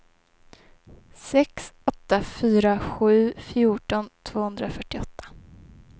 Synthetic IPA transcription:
sɛksɔt̪ːafyːɾaɧʉ̟ːfjuːʈɔnt̪ʰv̥oːhɵnd̪ɾafœʈːɪɔt̪ʰːḁ

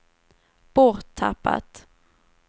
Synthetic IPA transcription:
b̥ɔɾt̪ʰːapːa̰t̪

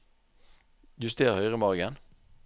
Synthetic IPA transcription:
j̪ʉst̪eːʁhœʏʁəmɑʁɡən

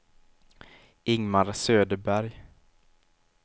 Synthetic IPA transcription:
ɪŋmaɾsøːd̪əbæɾj

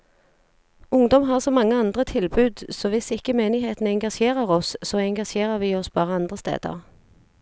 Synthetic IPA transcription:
ʊŋd̪ɔmɦɑːʁsɔmɑŋːəɑnd̪ʁət̪ʰɪlbʉːd̪soʋɪsɪkəmeːnɪɦeːt̪n̩əɛŋɡɑʃeːʁəʁɔssoːɛŋɡɑʃjeːʁəʁʋiːɔsb̥ɑːʁəɑnd̪ʁəst̪ḛːd̪ə̰ʁ

